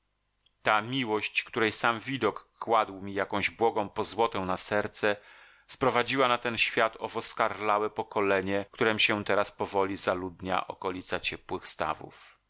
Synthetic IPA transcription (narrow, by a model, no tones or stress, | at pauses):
t̪amʲiwɔɕt͡ɕkt̪uɾɛjsamvʲid̪ɔkːwad̪wmʲijakɔ̃w̃ʑbwɔɡɔ̃w̃pɔzwɔt̪ɛwnasɛɾt̪sɛ | spɾɔvad͡ʑiwanat̪ɛnɕfʲjat̪ɔvɔskaɾlawɛpɔkɔlɛɲɛkt̪uɾɛmuɕɛt̪ɛɾaspɔvɔlʲizalud̪ɲa̰ʔɔ̰kɔlʲit̪sat͡ɕɛpwɘxst̪a̰vṵf